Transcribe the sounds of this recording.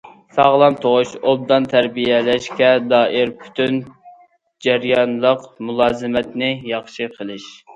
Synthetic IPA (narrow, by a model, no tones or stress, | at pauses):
sɑʁlˠɑmt̪ʰoʁʊʃob̚d̪ɑnt̪ʰæɾbijɛlɛʃkʲɛd̪ɑːʔiɾpʰy̥t̪ʰyn | d͡ʒɛɾjɑnlˠəqmulˠɑːzɨmɛt̪nɪjɑχʃɨqʰəlˠɨʃ